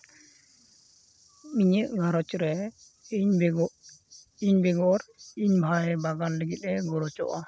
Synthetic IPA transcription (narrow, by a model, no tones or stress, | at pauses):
miɲəʔɡʱaɾɔt͡ʃɾɛ | ɲ | iɲbɛɡɔɾiɲbʱaɛbaɡanlɛɡit̪̚ɛɡɔɾɔt͡ʃɔ̰ʔa